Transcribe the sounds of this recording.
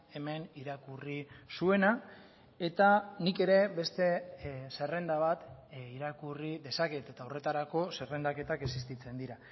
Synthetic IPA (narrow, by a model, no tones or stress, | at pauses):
e̞me̞niɾakurisue̞na | e̞t̪anike̞ɾe̞βe̞st̪e̞se̞re̞nd̪aβ̞at̪iɾakuriðe̞sake̞t̪et̪aore̞t̪aɾako̞se̞re̞nd̪ake̞t̪ake̞sist̪it͡se̞nd̪iɾa